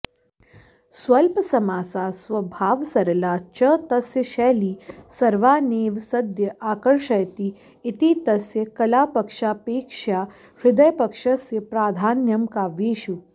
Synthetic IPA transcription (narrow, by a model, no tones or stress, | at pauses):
sʋɐlpsɐmaːsaːsʋɐbʱaːʋsɐɾlaːt͡ʃɐt̪ɐsjəʃɛːliːsɐɾʋaːneːʋsɐd̪ʱjəʔaːkəɾʂɐjt̪iː | t̪it̪ɐsjəkɐlaːpɐkʂaːpeːkʂjaː | ʋɪd̪ɐjpɐkʂɐsjəpɾaːd̪ʱaːnjɐmkaːʋeːʃu